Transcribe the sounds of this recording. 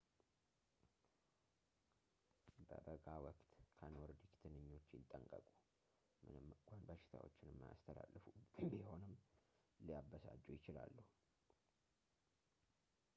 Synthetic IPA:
bə̰bəɡawɔkt̪kʰənoɾd̪ikt̪ʰɨnɨɲːo̞t͡ʃːjɪt̪ʼːəŋkʼəkʼu | mɨnɨmkʷʰanbaʃɪ̥t̪ʰa̰wo̞̰t͡ʃːɪnɛmːja̰st̪ʰəla̰lːfubiho̞nɨm | lijabəsad͡ʒːujɪt͡ʃɪla̰lːuhu

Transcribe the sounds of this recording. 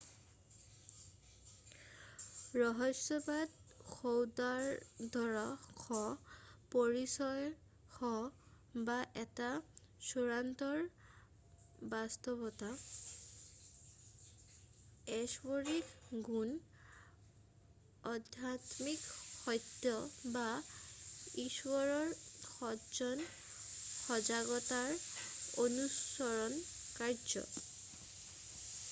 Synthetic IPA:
ɹɔɦɔsːɔbadxowdaɹdʱɔɹaxʰɔpɔɹisɔj | xɔ | baʔɛta | suɹantɔɹ | bast̪ɔbɔta | ɛsboɹikɡun | ɔdʱatmikxɔjt̪ːɔba | iswɔɹɔɹxɔd͡ʒɔn | xɔzaɡɔtaɹonusɔɹɔnkaɹd͡ʒɔ̰

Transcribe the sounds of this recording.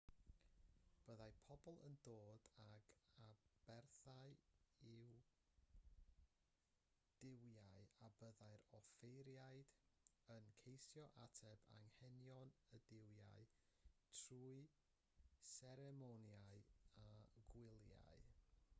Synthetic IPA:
b̥əðajpʰɔbɔlˠə̰ndoːd̥aɡab̥ɛrθaɨɪw | d̥ɪwjaɨabəðajɾɔfejɾjaɨd̥ | ənkʰejsjɔʔa̰tʰɛba̰ŋhɛnjɔnədɪwjaɨ | tʰruːɨ | sɛɾɛmonjaɨaɡwɪlˠja̰ɨ

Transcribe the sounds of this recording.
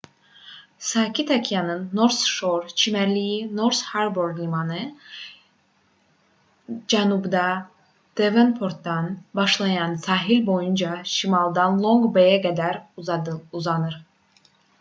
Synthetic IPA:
sɑːcʰit̪ʰɑcʰijɑnɯnːoɾsʃoɾt͡ʃʰimæɾlijinoɾshaɾboɾd̪lʲimɑnɯ | d͡ʒænubd̪ɑ | d̪̥evenpʰoɾt̪d̪ɑnbɑʃlˠɑjɑnsɑːɦilʲbo̞jund͡ʒɑʃimɑlˠd̪ɑnlˠoŋɡbejæɡæd̪æɾ | uzɑnɯɾ

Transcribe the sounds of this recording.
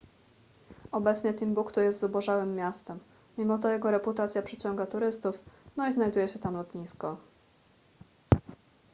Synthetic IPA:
ɔbɛt̪sɲɛt̪ɘmbukt̪ujɛst̪zubɔʐawɘmːʲjast̪ɛmːʲ | imɔt̪ɔjɛɡɔɾɛput̪at̪sʲjapʂɛt͡ɕɔŋɡat̪uɾɘst̪ufnɔiznajd̪ujɛɕɛt̪amlɔt̪ɲiskɔ

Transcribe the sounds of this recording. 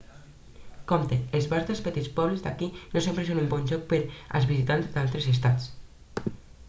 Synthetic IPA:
kɔmt̪eelˠzβaɾt̪elspət̪it͡spɔβlezd̪a̰kinosempɾesonumbɔnʲʒɔk̚pəɾa̰lˠzβizit̪anzd̪alˠt̪ɾezest̪at͡s

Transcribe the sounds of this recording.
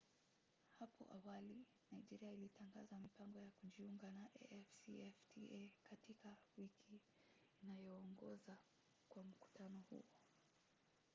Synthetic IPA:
hapɔ̰ʔawali | najd͡ʒɛɾiailitaŋɡazamipaŋɡɔjakuʄiuŋɡanaʔɛ̰ʔfsiɛftiekatikawikʰiː | najɔːŋɡɔza | kwam̩ku̥tanɔhṵɔ

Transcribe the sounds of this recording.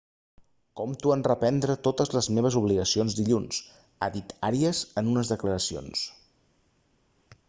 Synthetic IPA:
kɔmt̪uanrəpɛnd̪ɾət̪ot̪əzləzmeβ̞əzuβ̞liɣəsionzd̪iʎuns | a̰ðit̪aɾiəzənunəzðəkləɾəsio̰ns

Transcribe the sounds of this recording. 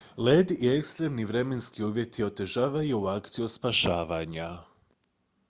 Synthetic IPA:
leːd̪iekst̪ɾe̞mniʋɾe̞me̞nskiuːʋʲje̞t̪ʰio̞t̪e̞ʒaːʋajuuakt̪siuspaʃaːʋaɲa

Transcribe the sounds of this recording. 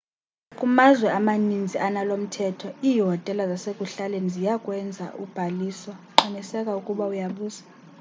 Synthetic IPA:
akʼumazwɛamanind͡zʱianalom̩tʰɛtʰɔiːɦɔtʼɛlazasekʼuɬalenzijakʼwɛnd͡zʱa̰ʔub̥ʱaliːswaǁanisɛkʼaukʼuɓaujaɓuːzḁ

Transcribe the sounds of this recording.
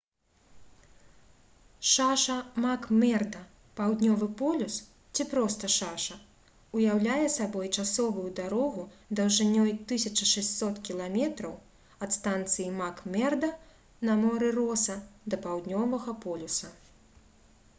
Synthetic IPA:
ʂaʂɐmakmʲɛrd̪ɐ | pawd̪ʲnʲɔvɨpɔlʲus | t͡sʲipɾɔst̪ɐʂaʂɐ | ujawlʲajɛsabɔjt͡ʂasɔvujud̪aɾɔɣud̪ɐwʐɨnʲːɔjt̪ɨsʲɐt͡ʂɐʂɛsʲtʲsɔt̪kʲilˠamʲɛt̪ɾɐw | ɐt̪st̪ant̪sɨjimakmʲɛrd̪ɐ | nɐmɔɾɨɾɔsɐd̪ɐpawd̪ʲnʲɔvɐɣɐpɔlʲusɐ

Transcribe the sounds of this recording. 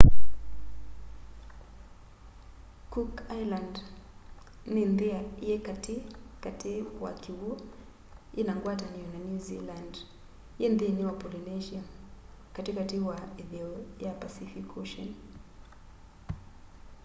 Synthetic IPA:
kukajland | ninðiaijɛkatikatiwa̰kiwuɔ | inaŋɡwataniɔnanjuziland | jɛndiniwapɔlinɛʒia | katikatiwaɛðɛɔjapasifikʰɔʃɔn

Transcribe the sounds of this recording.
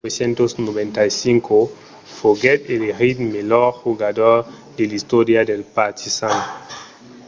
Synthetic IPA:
esjẽnt̪osnoβẽnt̪ajsiŋkʰo | foɡet̪eleɾid̪meloɾxuɣad̪oɾ | d̪elist̪oɾjad̪elpat̪ʰisan

